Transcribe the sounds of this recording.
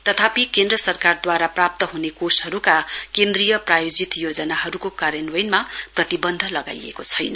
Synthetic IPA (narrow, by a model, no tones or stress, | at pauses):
t̪ʌt̪ʰapikend̪rʌsʌrkard̪waɾaprap̚t̪ʌɦunekosʌɾukakend̪rijʌprajod͡zit̪jod͡zʌnaɦʌɾukokaɾenwʌjnmaprʌt̪ibʌnd̪ʱʌlʌɡa̰jḛkot͡sʰʌjnʌ